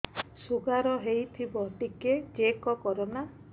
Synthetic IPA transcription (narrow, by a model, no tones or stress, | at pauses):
suɡaɾɔɦejt̪ʰibɔʈiked͡ʒekɔkɔɾɔna